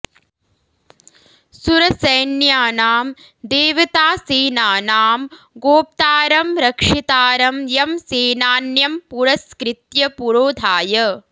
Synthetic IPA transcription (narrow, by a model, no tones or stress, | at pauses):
suɾɐsɐjnjaːnaːm | d̪eːʋɐt̪aːseːnaːnaːm | ɡoːp̚t̪aːɾɐmɾɐkʂit̪aːɾɐmjɐmseːnaːnjɐmpuɾɐskɾɪt̪jɐpuɾoːd̪ʱaːjɐ